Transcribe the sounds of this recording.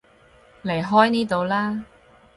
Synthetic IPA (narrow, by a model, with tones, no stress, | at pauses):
le˨˩jɦɔː˥jniː˥t̪o˨˧wlaː˥